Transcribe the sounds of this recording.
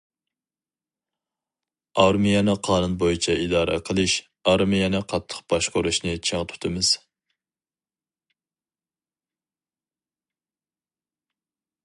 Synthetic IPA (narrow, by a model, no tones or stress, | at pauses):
ɑɾmijɛnɨqʰɑːnunbojit͡ʃʰɛʔid̪ɑːɾʔɛ̰qʰəlˠɨʃ | ɑɾmijɛnɨqʰɑt̪ʰːə̥qbɑʃqoɾuʃnɨt͡ʃʰeŋt̪ʰt̪ʰɨmɨz̥